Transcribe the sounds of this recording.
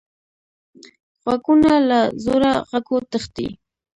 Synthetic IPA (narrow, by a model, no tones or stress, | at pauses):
ɣwakunalazoɾaɣakot̪əχt̪ḭ